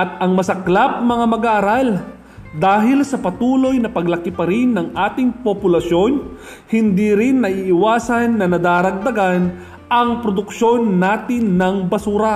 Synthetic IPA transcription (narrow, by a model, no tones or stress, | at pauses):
ʔɐt̪̚ɐŋmɐsɐklap̚mɐŋamɐɡaʔːɾal | d̪aːɦɪlsɐpɐt̪uːlo̞jnɐpɐɡlɐkɪpɐɾɪnːɐŋʔaːt̪ɪŋpopʊlɐʃo̞n | hɪnd̪iːɾɪnːɐʔiːʔɪwaːsɐnːɐnɐd̪aːɾɐɡ̚d̪ɐɡan | ɐŋpɾod̪ʊkʃo̞nːaːt̪ɪnːɐŋbɐsuːɾɐ